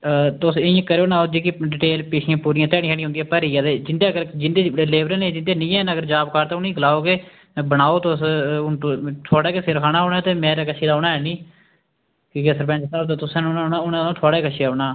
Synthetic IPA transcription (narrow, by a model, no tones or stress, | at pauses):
t̪ʊsɪə̃kəɾeoːnãːod͡ʒeːkɪɖɪʈeːlpeːʃijãːpuːɾiːãːt̪ɛːɽiːkʰaːɽĩːõʊnd̪iːɛːpəɾiːaːd̪eːd͡ʒɪnd̪eːɡəɾd͡ʒɪnd̪eːleːʋɾə̃ːnẽːd͡ʒɪnd̪eːnĩːɛːnəɡəɾd͡ʒaːbkaːɾt̪ãːʊniːɡəlaːoːkeː | bənaːoːt̪os | t̪ʰoːɽaːkesɪɾkʰaːnãːoːnaːt̪eːmeːɾaːkət͡ʃʰiːd̪aːoːnaːɦɛːnĩː | kiːkesəɾpɛ̃ːt͡ʃsaːot̪̬eːt̪ʊsãːnːnːnaʊnːõːt̪ʰoaːɽaːkəʃʰeːaoːnaː